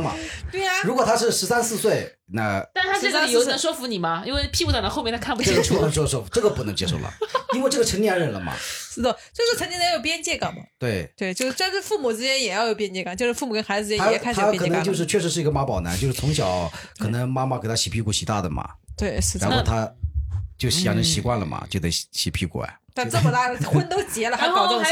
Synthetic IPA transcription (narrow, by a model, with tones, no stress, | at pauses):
mɐ̰˩t̪we˥˩ɪ˩ɻu˧˥kwɔ˨˩t̪ʰa˥ʂɻ̩˥˩ʂɻ̩˧˥sa˥nsɹ̩˥˧swe˥˩ɪ | na˥˧a˥˩˧a˥˨jo˥ʊɛ˨˩nʂwɔ˥fu˧˥ni˨˩mɐ˦i˥nwe˥˧ɪpʰi˥˧u˥˩˨na˧˥xo˥˧mʲɛ˥˩nʰa˥kʰa˥˩mpu˧˥˩t͡ɕʰxə˧˩n˩w̪ə˨ʂwɔ˥˩fu˧˥ʈ͡ʂɤ˥˩ɡə˨˩pu˥˩nə˧˥ŋt͡ɕjɛ̰˥ʂo˥ʊlə̰˩i˥nwe˥˧ɪʈ͡ʂɤ˥˩ɡə˩ʈ͡ʂʰə˧˥ŋli˥˧˥ɻə˥˩nlə˦mɐ̰˩ʂɻ̩˥˩d̪ə˥˩t͡ɕʂɻ̩˥˩t͡sʰə˧˥t͡ɕi˥jjo˨˩ʊpjɛ˥nt͡ɕjɛ˥˩kɑ˨˩ŋmɐ̰˩t̪we˥˩ɪt͡ɕ̪we˥˩ɪt͡ɕjo˥˧˥ʊʂ̩˥˧˩nʂɻ̩˥˧fu˥˩mu˨˩t͡sɹ̩˥ɥɛ˧˥njɛ˨˩jɑ˥˩ʊjo˧ʊpjɛ˥nt͡ɕjɛ˥˩kɑ˨˩ŋt͡ɕo˥˧ʊʂɻ̩˥˧fu˥˩mu˩kə˥nxa˧ɪd͡z̩˧˨˧ja˥˨˧kʰɤ˨˩˥ə˧˥t͡ɕo˧˥˧ʂ̬ɻ̩˧t͡ɕʰɥɛ˥˩ʂ̬ɻ̩˧ʂɻ̩˥˩i˧˥ɡə˧ma˧˥pɑ˨˩ʊna̰˧˥nt͡ɕjo˥˧ʂ̩˥˧t͡sʰʊ˧˥ŋɕjɑ˨˩˦ʊkʰɤ˨˩nə˧˥ŋma˥ma˨˩ke˨˩ɪt̪ʰa˥ɕi˨˩pʰi˥˧kwɔ˥˩ɕi˨˥t̪a̰˥˩d̪ə˩mɐ̰˩t̪we˥˩ɪʂɻ̩˥˩ɻa˧˥n˥xo˥˧t̪ʰa˥t͡ɕjo˥˩ʊɕi˨˩ja˧˥nʈ͡ʂə˧˥ŋɕi˧˥kwa˥˩nlə˩mɐ̰˩t͡ɕjo˥˩ʊt̪e˧˥˩ɕi˨˩pʰi˥˩kwɔ̰˩ɛ̰˩t̪a˥˧nʈ͡ʂə˥˩˨t̪a˥˩˥xwə˥nt̪o˥ʊt͡ɕjɛ˧˥lə˨˧xa˥kɑ˨˩t̪